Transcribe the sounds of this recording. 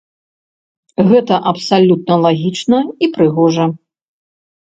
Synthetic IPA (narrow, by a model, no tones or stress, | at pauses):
ɣɛt̪ɐʔɐpsalʲut̪̚nɐlˠaɣʲit͡ʂnɐipɾɨɣɔʐɐ